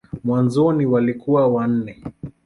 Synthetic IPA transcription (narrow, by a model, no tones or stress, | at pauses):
mwanzɔniwalikuwawan̩nɛ